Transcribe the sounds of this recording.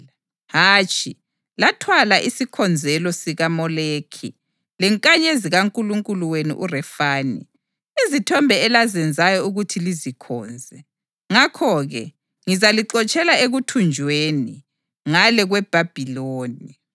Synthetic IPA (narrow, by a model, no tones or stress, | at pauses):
ɦaːt͡ʃʼʰi | latʰwalaʔisikʰɔnd͡zʱɛlɔsiɣamɔleːkʰḭ | lɛŋkʼaɲeziɣaŋkʼuluŋkʼuluwenḭʔurɛfaːnḭ | izitʰɔmbʱɛːlazɛnd͡zʱajɔuɣutʰilizikʰɔːnd͡zʱɛ | ŋakʰɔɣɛ | ŋizaliǃɔt͡ʃʼɛlaeɣutʰund͡ʒʱweni | ŋalɛɣwɛb̥ʱab̥ʱiloːni